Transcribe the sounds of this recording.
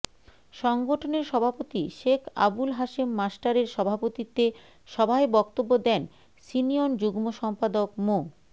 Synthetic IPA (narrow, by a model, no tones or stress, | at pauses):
ʃɔŋɡoʈʰoneɾʃɔbʱapot̪iʃekʰa̰bulɦaʃimːasʈaɾeɾʃɔbʱapot̪it̪e | ʃɔbʱaebɔkt̪obːod̪ɛn | siniond͡ʑuɡmoʃɔmpad̪okmo